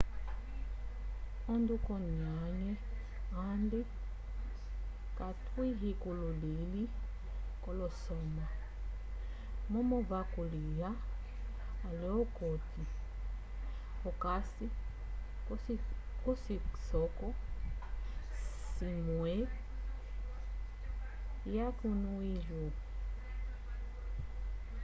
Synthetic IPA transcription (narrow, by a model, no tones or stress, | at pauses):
ɔndukɔniaɲɛ | andi | katwiɦikululili | kɔlɔsɔma | mɔmɔvakulija | lɛɔkɔti | ɔkasi | kɔsisɔkɔ | simwɛ | jakunuilu